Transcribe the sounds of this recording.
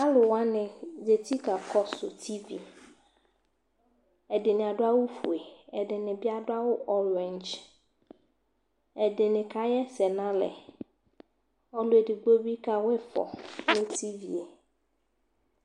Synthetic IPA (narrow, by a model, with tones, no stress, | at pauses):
a˦lʊ˨wa˦nɪ̃˨d͡ʒe˨t̪i˦ka˨kʰɔ˦sʊ̰˨t̪ʰi˦vḭ˨ | ɛ˨dɪ˨nɪ̃˨a˨dʊ˦a˦wʊ˦fu˨e˨ɛ˨dɪ˨nɪ̃˨bɪ˦a˦dʊ˦a˦wʊ˦ʔɔ˦ɾɛ˨nd͡ʒ | ɛ˨dɪ˨nɪ̃˨ka˨˦jɛ˦sɛ˨nã˦lɛ̰˨ | ɔ˦lʊ˨e˨dɪ˨ɡ͡bo˦bi˦ka˨wfɔ̰˨nʊ̃˦tʰi˦vḭ˨e˨